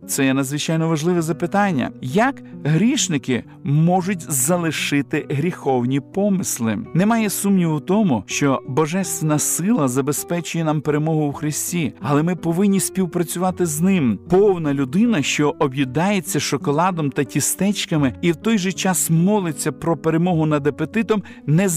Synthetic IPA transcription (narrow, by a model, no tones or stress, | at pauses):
t̪sɛjɛnɐd̪zʋɪt͡ʃɑjnɔʋɐʒlˠɪʋɛzɐpɪt̪ɑnʲːɐ̰jɐkɦɾʲiʃnɪkɪ | mɔʒʊtʲzɐlˠɪʃɪt̪ɪɦɾʲixɔwnʲipɔmɪslˠɪ̰nɛmɑjɛsumnʲiwʊt̪ɔmʊʃt͡ʃɔbɔʒɛst̪ʋenɐsɪlˠɐzɐbespɛt͡ʃʊjɛnɑmpeɾemɔɦʊwxɾɪsʲtʲiɐlˠɛmɪpɔʋɪnʲːisʲpʲiwpɾɐt͡sʲʊʋɑt̪ɪznɪmpɔwnɐlʲʊd̪ɪnɐʃt͡ʃɔʔɔbʲjid̪ɑjet͡sʲːɐʃɔkɔlˠɑd̪ɔmt̪ɐtʲist̪ɛt͡ʃkɐmɪiwt̪ɔjʒɛt͡ʃɑsmɔlˠɪt͡sʲːɐpɾɔpeɾemɔɦʊnɐd̪ɐpet̪ɪt̪ɔm | nɛ